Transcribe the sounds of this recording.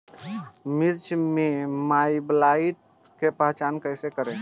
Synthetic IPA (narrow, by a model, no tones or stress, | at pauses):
miɾt͡ʃʰmemajblaiʈ̚ | kepəɦt͡ʃankəjsekəɾe